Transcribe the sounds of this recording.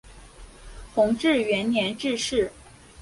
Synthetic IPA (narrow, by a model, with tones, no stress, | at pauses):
xʊ˧˥ŋʈ͡ʂɻ̩˥˩ɥɛ˧˥nnjɛ˧˥nʈ͡ʂɻ̩˥˧ʂɻ̩˥˩